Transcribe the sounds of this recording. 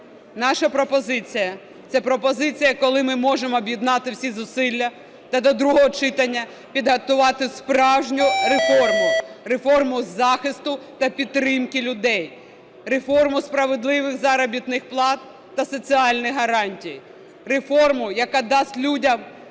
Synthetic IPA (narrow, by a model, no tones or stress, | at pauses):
nɑʃɐpɾɔpɔzɪt͡sʲijɐ | t̪sɛpɾɔpɔzɪt͡sʲijɐkɔlˠɪmɪmɔʒemɔːbʲjid̪nɑt̪ɪwsʲizʊsɪlʲːɐ | t̪ɐd̪ɔd̪ɾuɦɔɦɔt͡ʃɪt̪ɐnʲːɐ | pʲid̪ɦɐt̪ʊʋɑt̪ɪspɾɑwʒnʲʊɾefɔrmʊrefɔrmʊzɑxɪst̪ʊt̪ɐpʲit̪ːɾɪmkɪlʲʊd̪ɛj | refɔrmʊspɾɐʋed̪lˠɪʋɪxzɑɾɐbʲit̪nɪxplˠɑt̪̚ː | ɐsɔt͡sʲiɑlʲnɪjɦɐɾɑnʲtʲij | refɔrmʊjɐkɑd̪ɑsʲtʲlʲudʲɐm